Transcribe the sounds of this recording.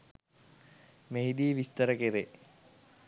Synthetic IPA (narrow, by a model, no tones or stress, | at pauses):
meɦid̪iːʋist̪əɾəkeɾe